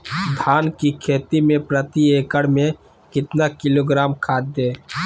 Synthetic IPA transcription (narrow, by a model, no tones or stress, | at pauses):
d̪ʱaːnkikʰeːt̪imẽpɾət̪ieːkəɽmẽ | kɪt̪nakɪloːɡɾaːmkʰaːt̪̚d̪eː